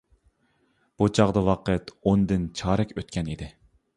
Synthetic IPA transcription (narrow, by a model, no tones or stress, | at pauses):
b̥ut͡ʃʰɑʁd̪ɑwɑqʰət̪ond̪ɪnt͡ʃʰɑːɾɛkʲøt̪̚kʲɛnid̪ɪ